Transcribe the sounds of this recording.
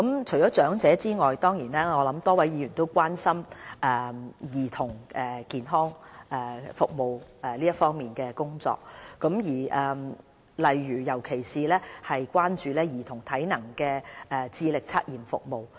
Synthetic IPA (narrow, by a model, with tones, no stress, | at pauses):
kɐ˨˥mt͡ʃʰɵ˨˩jt͡ʃɔː˨˥t͡ʃœː˨˥ŋt͡sɛː˨˦t͡siː˥ŋɔː˨jt̪ɔː˥ŋjiː˨˩nɛː˥ŋɔː˨˧lɐ˨˥mt̪ɔː˥wɐ˨˥jiː˨˧jyː˨˩nt̪o˥wkʷwaː˥nsɐ˥mʔɛː˨˩jiː˨t̪ʰʊ˨˩ŋɛː˨kiː˨nɦɔː˥ŋɛː˨fʊ˨k̚mo˨wɛː˨˩liː˥jɐ˥t̚fɔː˥ŋmiː˨nkɛː˧kʊ˥ŋt͡sɔ̰ː˨k̚ːɐ˨˥mjiː˨˩ʔɛː˨ | lɐ˨jɥyː˨˩jɐ˨˩wkʰe˨˩jsiː˨lɛː˥hɐ˨jkʷaː˥nt͡ʃyː˨˧lɛː˥jiː˨˩t̪ʰʊ˨˩ŋt̪ʰɐ˨˥jnɐ˨˩ŋkɛː˧ʔɛː˨t͡siː˧lɪ˨k̚t͡sʰaː˥t̚jiː˨mfʊ̰˨k̚mo˨w